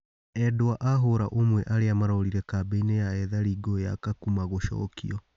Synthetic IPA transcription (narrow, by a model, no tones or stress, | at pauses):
ɛdoaʔaɦoɾaʔomwɛʔaɾeamaɾɔɾiɾɛkaːbeinejaɛðaɾiɡoja̰kakumaɣoʃɔ̰kḭɔ